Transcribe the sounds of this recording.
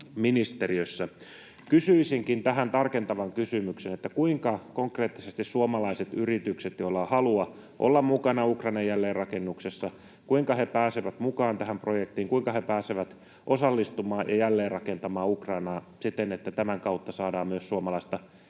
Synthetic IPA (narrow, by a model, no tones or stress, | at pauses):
minist̪eriøsːæ | kysyisiŋkint̪æɦænt̪ɑrkent̪ɑʋɑŋkysymyksenet̪ːækuiŋkɑkoŋkreːt̪ːisest̪issuomɑlɑiset̪yrit̪ykset̪jolːɑhɑluɑ | ʔo̰lːɑmmukɑnɑukrɑinɑjjælːeːrrɑkenːuksesːɑ | kuiŋkɑhepæːseʋæt̪mukɑːnt̪æɦæmprojekt̪iːŋkuiŋkɑhepæːseʋæt̪ | ʔosɑlːist̪umɑːjjɑ̰jælːeːrrɑkent̪ɑmɑːukrɑinɑː | sit̪ːenet̪ːæt̪æmæŋkɑut̪ːɑsɑːdɑːmmyøssuomɑlɑist̪ɑ